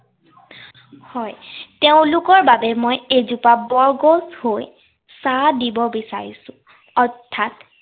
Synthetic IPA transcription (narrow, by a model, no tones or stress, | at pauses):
hɔjteʊ̃lʊkɔɹbabɛmojejzupabɔɹɡoshoj | sadibɔbisaɹisʊ̃ | ɔɹtʰːat